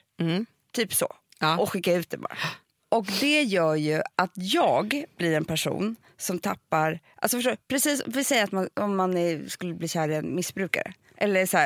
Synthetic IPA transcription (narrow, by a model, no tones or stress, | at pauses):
t̪ʰyːpsɔ̰ | ɔɧɪkːaʉ̟ːt̪̚d̪ɛbɑ̰ːɾa̰ | ɔkd̪ɛjœːɾjɵʔat̪jɑːɡb̥lɪɾɛnpʰæʂṵːn | sɔmt̪ʰapːaɾʔalsɔfœʂtoːpʰɾɛsiːsɔ̰vɪlsɛjːat̪manɔmːanæskɵlːəbliːɕæːɾɛnmɪsbɾʉ̟ːka̰ɾə̰ | ʔɛlːəsæː